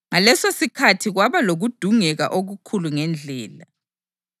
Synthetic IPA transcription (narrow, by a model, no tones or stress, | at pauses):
ŋalɛsosikʰatʰiɣwaβaloɣud̥ʱuŋɛɣa̰ʔoɣukʰuluŋɛnd͡ɮʱɛːla